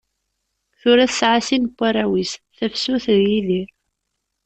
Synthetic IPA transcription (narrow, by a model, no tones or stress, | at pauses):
θʊɾæθsʕasinkʷːaɾˤæwisθæfsʊθðjiðiɾ